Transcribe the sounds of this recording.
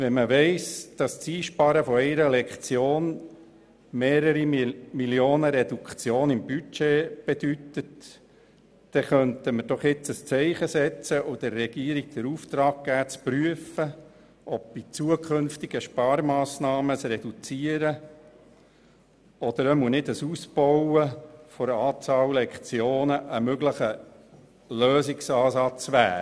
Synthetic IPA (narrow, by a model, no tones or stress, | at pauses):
ʋɛnməʋɛɪsd̪̥ɑst͡siːʃpɑɾəfɔɛɪɾəlɛkχt͡sjoːn | meːɾəɾimiljoːnəɾɛd̥̪ukt͡sjoːnɪmbyt͡ʃeːb̥ed̥ytət | d̥ɛχœntəməɾd̥ɔχjɪt͡səst͡sɛɪχəsɛt͡səʔʊd̥əɾːɛɡ̥iːəɾiɡ̥̚d̥̪əɾuft̪ɾɑːk̚ɡæːt͡spryəfə | ʔɔb̚b̥it͡suəkʰχɵnft̪iɡ̥əʃpɑːɾmɑːsnɑːməsɾɛd̥ut͡siəɾə | ɔd̪̥əɾəmunɪdəsuspɔwəfɔɾəɑːt͡sɑːwlɛkt͡sjoːnəʔəmøɡləχə | løːsɪksɑːsɑt͡sʋæː